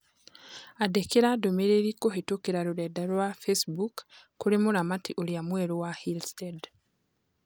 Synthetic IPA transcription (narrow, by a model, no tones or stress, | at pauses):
adekeɾadomeɾeɾikoɦetokeɾaɾoɾɛdaɾwafesbukː | uɾemoɾamatiʔoɾiamwɛɾowahilstɛd